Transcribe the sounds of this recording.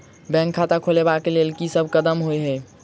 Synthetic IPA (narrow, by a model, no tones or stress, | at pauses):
bɛ̃ŋkʰːat̪akʰolebakelelkisəbʱkəd̪əmɦojɦə